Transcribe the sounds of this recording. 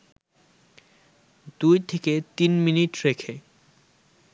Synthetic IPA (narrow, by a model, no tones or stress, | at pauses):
d̪ujt̪ʰeket̪inminiʈɾekʰe